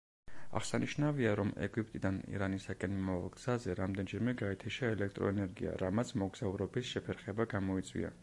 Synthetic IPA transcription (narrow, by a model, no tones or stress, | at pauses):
a̰ʁsaniʃnaviaɾɔmɛ̰ɡip̚ʼt̪ʼid̪anḭɾanisakʼɛnmimava̰lˠɡz̥azɛɾamd̪ɛnd͡ʒɛɾmɛɡaɛt̪ʰɛʃaɛlɛkʰt̪ʼɾɔ̰ɛnɛɾɡḭa̰ɾamat̪sʰmɔɡz̥auɾɔbisʃɛpʰɛɾχɛbaɡamɔit̪sʼwḭa̰